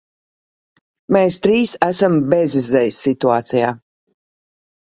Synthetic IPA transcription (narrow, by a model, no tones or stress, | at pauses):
meːst̪ɾiːsæsambɛzizɛjsʲːit̪uaːt̪sijaː